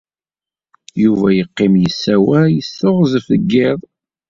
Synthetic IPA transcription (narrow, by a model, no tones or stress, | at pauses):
juvæjəqːɪmjəsːæwæjəsːəʁzfəɡːɪðˤ